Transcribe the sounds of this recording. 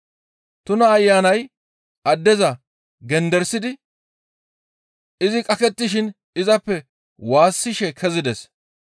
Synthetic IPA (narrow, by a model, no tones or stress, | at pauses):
t̪ʊnɐːjːaːnɐj | ɐd̪ːɛzɐ | ɡɛnd̪ɛɾsːɪd̪ɪ | ɪzɪkʼɐkɛt̪ːɪʃɪn | ɪzɐpːɛ | waːsːɪʃɛkʰɛzɪd̪ɛs